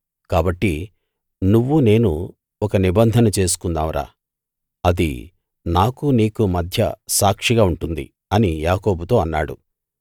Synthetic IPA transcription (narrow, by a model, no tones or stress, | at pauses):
kaːbɐʈːi | nuʋːune̞ːnu | ɔkɐnibɐnd̪ʱɐnɐt͡ʃe̞ːs̬u̥kund̪aːmɾa̰ː | ɐd̪ḭ | naːkuniːkumɐd̪ʱjɐ̰saːkʂiɡaːuɳʈund̪ḭ | ɐnijaːko̞ːbut̪o̞ːɐnːaːɽṵ